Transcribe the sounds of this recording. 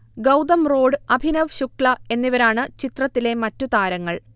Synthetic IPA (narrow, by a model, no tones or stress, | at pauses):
ɡɐwd̪ɐmro̞ːɖɨɐbʱinɐʋɕukɭɐe̞nːiʋɐɾaːɳɨt͡ɕit̪rɐt̪ːile̞mɐtːut̪aːɾɐŋːɐɭ